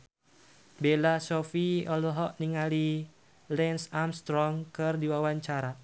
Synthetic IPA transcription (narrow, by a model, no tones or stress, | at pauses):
belasɔfiɔlɔɦɔʔniŋali | lɛnsamst̪ɾɔŋkɨrdiwawaɲt͡ʃaɾa